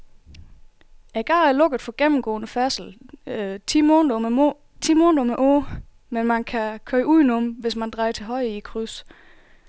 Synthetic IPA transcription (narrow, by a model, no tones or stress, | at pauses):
æɡ̥ɑ̈ːæɐlɔ̽ɡ̥əð̩ˠfɒ̽ɡ̥em̰m̩ɡ̥ɔ̰̽ːnəfæɐsl̩ʰ | i̥ | t͡sʰimɔːnd̥ɒmeʔoː | menmænkʰækʰøɪʔuð̰ˠinɔmʋe̝smænd̥ʁɑ̈ɪt͡sʰe̝lɦɒ̽ɪ̰ikʰʁys